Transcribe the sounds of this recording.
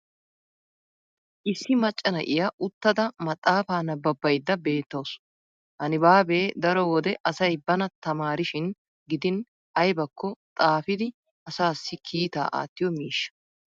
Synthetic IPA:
ʔɪsːɪmɐt͡ʃʼːɐnɐ̰ʔɪjɐʔʊt̪ːɐd̪ɐmɐt̪ʼːaːfaːnɐbɐbːɐjd̪ːɐbe̞ːt̪ːɐws | hɐnɪbaːbe̞ːd̪ɐɾɔwɔd̪ɛʔɐsɐjbɐnɐt̪ɐmaːɾɪʃɪn | ɡɪd̪ɪn | ʔɐjbɐkːɔt̪ʼaːfɪd̪ɪ | ɐsaːsːɪkʰiːt̪a̰ːʔa̰ːt̪ːɪjɔmiːʃːɐ̥

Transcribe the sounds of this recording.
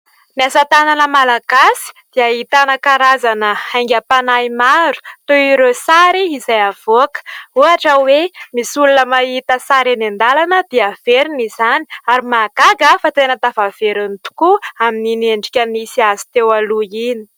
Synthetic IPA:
niasat̪ananəmalaɡ̥asi̥d̪̥iaɦit̪anakaɾazanəajŋɡʲapanaimaɾu̥t̪oiɾesaɾiːzajav̥okə̥uaʈ͡ʂəwemisulunəmait̪əsaɾanend̪alanəd̪̥iav̥eɾinizani̥aɾimakaɡəfat̪enət̪avav̥eɾunit̪u̥kuaminineɳɖ͡ʐikʲənisiazi̥t̪ewaluini̥

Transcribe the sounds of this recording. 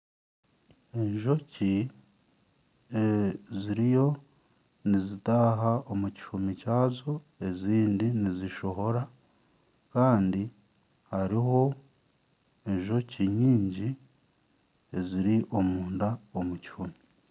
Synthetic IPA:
e̞ɲʒo̞ci | eziɾijo̞ | nizitaːɦaomuci̥humicaːzo | e̞ziːndiniziʃo̞ɦo̞ɾa | kaːndi | haɾiho̞ | e̞ɲʒo̞ciɲiːɲɟi | e̞ziɾiʔo̞muːndaomuci̥humi

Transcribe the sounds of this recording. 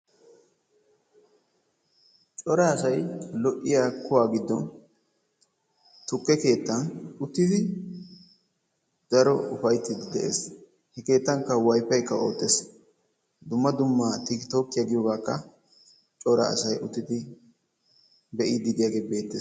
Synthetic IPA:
t͡ʃʼɔɾɐːsɐjlɔʔːɪjaːkʊwaːɡɪd̪ːɔn | t̪ʊkːɛke̞ːt̪ːɐnʊt̪ːɪd̪ɪ | d̪̥ɐɾɔʊfɐjt̪ːɪd̪ɪd̪ɛʔḛːs | hɛke̞ːt̪ːɐŋkːɐwɐjfɐjkːɐo̞̰ːt̪ːes | d̪ʊmːɐd̪ʊmːat̪ɪkɪt̪o̞ːkːɪjaɡɪjoːɡaːkːɐ | t͡ʃʼɔɾɐ̰ɐ̰sɐjʊt̪ːɪd̪ɪ | bɛʔɪd̪ɪd̪ɪjaːɡe̞ːbe̞ːt̪ːes

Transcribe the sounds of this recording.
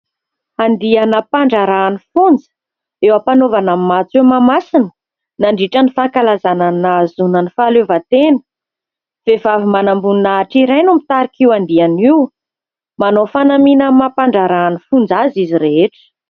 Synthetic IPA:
and̪ianəpaɳɖ͡ʐaɾaːnifund͡zə̥ | ewapanovanamimat͡semamasinə̥ | naɳɖ͡ʐiʈ͡ʂənifakalazananazunənifalevat̪enə̥ | v̥evavimanambuninaʈ͡ʂiɾajnumit̪aɾikiwand̪ianiw | manofanaminəmapaɳɖ͡ʐaɾaːnifund͡zaziziɾeeʈ͡ʂə̥

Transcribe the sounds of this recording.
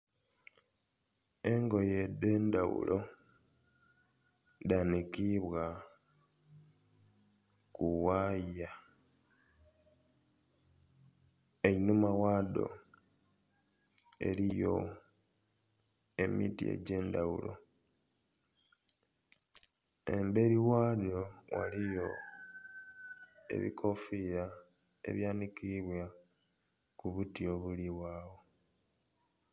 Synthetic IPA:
e̞ŋɡo̞jede̞ːndawṵlʔo | danikiβwa | kuwaja | einumawaːdo̞̰ | e̞̰ɾijo̞̰ | e̞mitḭḛɟe̞ːndawṵlo̞̰ | e̞mbe̞ɾiwaːljo̞wa̰lijo̞ | e̞̰βḭkʰo̞fiɾa | e̞̰βjaːnikiβwa | kuβutio̞βuliwaːwo̞

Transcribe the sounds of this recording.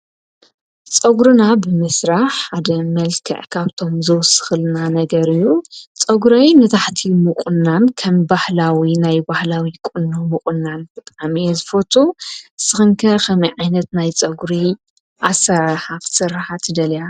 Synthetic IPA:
t͡sʼɐɡɾɨnabɨmɨsɾaħħad̪ɐmɐlkʰɐ̰ʕkʰaβt̪ʰo̞mzɨwsɨ̥xɨlnanɐɡɐɾɨjːut͡sʼɐɡɾajnɨt̪ʰaħt̪ʰimɨkʼʊnːankʰɐmbahlawinajbahlawikʼʊnːomɨkʼɨnːanbɨt̪ʼamizɨfot̪ʰusɨxɨŋkʰɐɾkʰɐmɐjʕajnɐt̪najt͡sʼɐɡɾi | ʔasɐɾaħakʰɨ̥sɨɾːħat̪ʰɨd̪ɐlja

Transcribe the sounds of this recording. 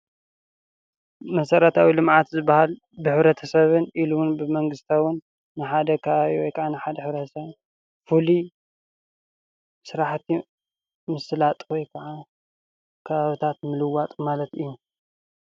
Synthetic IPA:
mɐsɐɾɐt̪ʰawilɨmʕat̪zɨbːahal | bɨħɨβɾɐt̪ʰɐsɐβɨnʔilunbɨmɐŋɡɨst̪ʰawɨnː | ɨħad̪ɐkʰɐβaβiwɔjkʰɐʕanɨħad̪ɐħɨβɾɐt̪ʰɐsɐβi | fuli | sɨɾaħt̪ʰi | mɨsɨlat̪ʼkɔjkʰɐʕa | kʰɐβaβit̪ʰat̪̚mɨlɨwat̪ʼmalɐt̪ɨjːu

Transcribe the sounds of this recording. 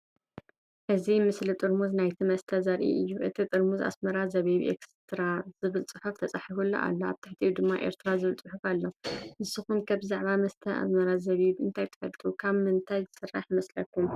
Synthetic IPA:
ʔɨzimɨslit̪ʼɨɾmuznajt̪ʰimɐst̪ʰɐzɐɾʔḭʔɨjːuʔɨt̪ʰit̪ʼɨɾmuza̰smɐɾazɐβiβḛkst̪ʰɨɾaz̥ɨβɨlt͡sʼɨħoft̪ʰɐt͡sʼaħiβulːɐ̰ʔa̰lːoa̰βt̪ʰaħt̪ʰijud̪ɨmːaʔe̞̰ɾt̪ʰɨɾazɨβɨlt͡sʼɨħufalːoʔɨsːɨxunkʰabzaʕβamɐst̪ʰɐa̰smɐɾazɐβiβɨnt̪ʰajt̪ʰɨ̥fɐlt̪ʰukʰaβmɨnt̪ʰajzɨsɨrːa̰ħmɐslɐkʰːum

